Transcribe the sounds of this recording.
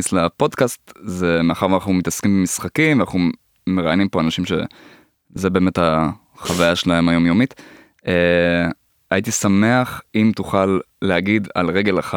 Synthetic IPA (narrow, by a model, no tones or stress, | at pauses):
islapo̞d̪kast̪zemeaχaʁanaχnumitaskimbemisχakimveanaχnu | meʁajnimpo̞anaʃimʃe̞̰ | zebeːme̞tha | χavajaʃelahe̞majo̞mjo̞mit | e | ajitisame̞aχimtuχalːehaɡid̪a̰lʁe̞ɡe̞laχa